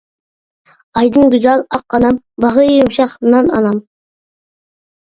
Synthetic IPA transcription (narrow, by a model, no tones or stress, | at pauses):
ɑjd̪ɨŋɡʲyzɑlˠɑqɑnɑm | bɑʁɨjumʃɑχnɑnɑ̰nɑm